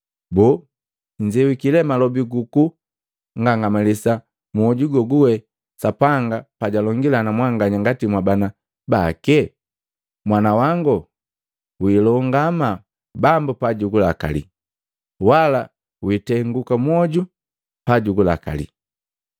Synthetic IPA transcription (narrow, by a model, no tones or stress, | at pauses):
bɔ | ɲd͡ʒɛwikilɛmalɔbiɡuku | ŋɡaŋɡamalisa | muɔɟuɡɔɡuwɛ | sapaŋɡapaɟalɔŋɡilanamwaŋɡaɲaŋɡatimwabana | bakɛ | mwanawaŋɡɔ | wiːlɔŋɡama | bambupaɟuɡulaka̰lḭ | wala | witɛŋɡukamwɔɟu | paɟuɡula̰ka̰lḭ